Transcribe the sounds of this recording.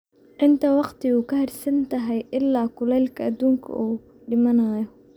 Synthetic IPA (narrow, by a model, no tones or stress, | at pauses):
ʕɪnt̪ʰɐwɑqt̪ʰiuːkʰɐhɛrsɐnt̪ʰɐɦɛjʔɪlːaːkʰʊlɛjlkʰɐɐd̪uːŋkʰɐ̰ʔuː | ɖɪmɐnaːjɔ